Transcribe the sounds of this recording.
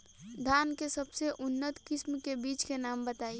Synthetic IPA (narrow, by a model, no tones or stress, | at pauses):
d̪ʱaːnkesəbseʔʊnːət̪kɪsmkebiːt͡ʃkenaːmbət̪aːi